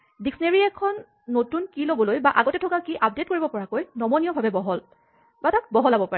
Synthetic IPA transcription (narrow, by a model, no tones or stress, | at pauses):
diksneɹiɛkʰɔnː | otunkilobɔlojbaʔaɡɔtɛtʰɔkakiʔap̚det̚koɹibɔpɔɹakojnɔmɔnijɔbʱabɛbɔɦɔl | batakbɔɦɔlabɔpaɹɛ